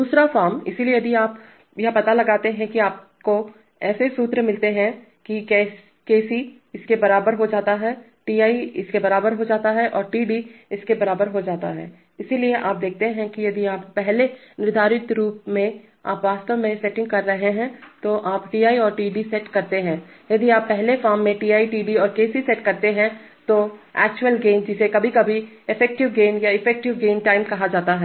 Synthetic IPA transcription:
d̪uːsɾafaːɾmɪ̰siliejɐd̪ʱiaːp | jɐɦpɐt̪alɐɡaːt̪eɦɛ̃kiaːp̚ | ko | ɛːsesuːt̪ɾmɪlt̪eɦɛ̃ | kikɛː | keːsi | ɪskebɐɾaːbəɾɦod͡ʒaːt̪aɦɛː | ʈiːaːiɪskebɐɾaːbəɾɦod͡ʒaːt̪aɦɛʔɔːɾʈiːɖiɪskebɐɾaːbəɾɦod͡ʒaːt̪a̰ɦɛ̰ː | ɪsilieʔaːp̚d̪eːk̚ʰt̪eɦɛ̃kijɐd̪ʱiaːpːɛɦlenɪɾd̪ʱaːɾɪt̪ɾuːp̚mẽ | a̰ːpʋaːst̪əʋmẽsɛʈɪ̃ŋɡ̚kɐɾːɐɦeɦɛ̃t̪oʔaːpʈiːaːiɔːɾʈiːɖisɛʈkɐɾt̪eɦɛ̃ː | jɐd̪iaːpːɛɦlefaːmːẽʈiːaːiʈiːɖiɔːɾkeːsisɛʈkɐɾt̪eɦɛ̃ | t̪oɛ̰ːk̚t͡ʃʊwəlɡeːnd͡ʒɪsekɐbʱikɐbʱi | ɪfʰɛːk̚ʈɪʋɡeːnjaɪfɛːk̚ʈɪʋɡeːnʈaːɪmkɐɦad͡ʒaːt̪aɦɛ

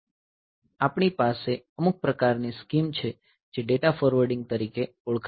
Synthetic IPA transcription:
apɳ̃ipaseəmuk̚pɾəkaɾniskimt͡ʃʰe | d͡ʒeɖeʈafɔɾʋəɾɖɪŋɡ̚t̪əɾike | uɭkʰ

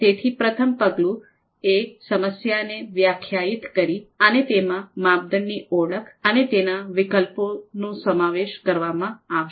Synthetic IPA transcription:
t̪et̪ʰipɾət̪ʰəmpəɡlũ | esəməsjaneʋjakʰjait̪kəɾiənet̪emãmab̚d̪ənːioɭəkʰənet̪enaʋɪkəlponũsəmaʋeʃkəɾʋamãaʋ

